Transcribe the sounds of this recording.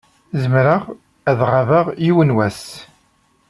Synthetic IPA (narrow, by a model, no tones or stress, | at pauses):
zəmɾəʁ | æðʁavaʁjiwənwæs